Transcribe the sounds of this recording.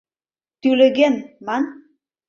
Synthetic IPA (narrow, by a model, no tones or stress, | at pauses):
t̪ylɘ̆ɣenmɑn